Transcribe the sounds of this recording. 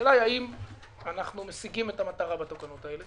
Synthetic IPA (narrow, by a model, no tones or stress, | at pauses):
lajaim | anaχnumesiɡimetamat̪aʁabat̪o̞kanot̪ae̞le